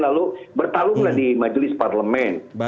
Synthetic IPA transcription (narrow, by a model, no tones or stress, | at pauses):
lalubərt̪alʊŋlahdimad͡ʒlɪsparləmɛn